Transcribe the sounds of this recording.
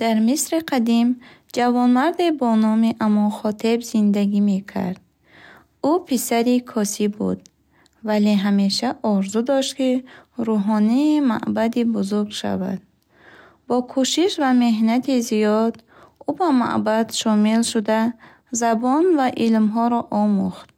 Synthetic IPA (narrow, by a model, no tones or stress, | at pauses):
d̪̥aɾmisɾiqʰad̪im | d͡ʒavɔnmaɾd̪ebɔnɔmiʔamɔχɔt̪ʰe̞bzind̪aɡime̞kʰa̰ɾd̪̥̚ | upʰisaɾikʰɔsibṵd̪ | valeɦame̞ʃaʔɔɾzud̪ɔʃt̪kiɾuɦɔniːma̰ʔbad̪ibuzuɾɡʃa̰va̰d̪̥ | bɔkʰuʃiʃvame̞ɦnat̪ʰizijɔd̪ | ubama̰ʔbad̪̥ʃɔmilʃud̪a | zabɔnvaʔilmɦɔɾɔʔɔmuχt̪̚